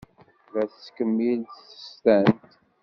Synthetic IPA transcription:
væθskəmːilt̪θə̥st̪ænt̪

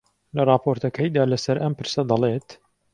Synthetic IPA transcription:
lɐrˤɑːpʰoːɾt̪ɐkʰɐjd̪aːlɐsɐɾʔɐmpɨɾsɐd̪ɑleːt̪

